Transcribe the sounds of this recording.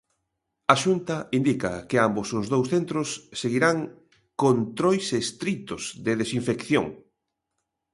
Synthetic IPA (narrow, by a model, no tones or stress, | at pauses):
aʃunt̪ɐind̪ikɐ̰kɪambosʊzðowsθent̪ɾʊsːeɣiɾaŋ | kont̪ɾojsest̪ɾit̪ʊzðɪðesiɱfekθjo̰ŋ